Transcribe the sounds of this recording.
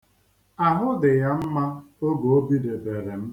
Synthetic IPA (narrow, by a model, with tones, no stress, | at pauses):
a˨ɦʊ˦dɪ˨ja˦m̩˦ma˦ | o˦ɡo˨o˦bi˦de˨be˨ɾe˨m̩˦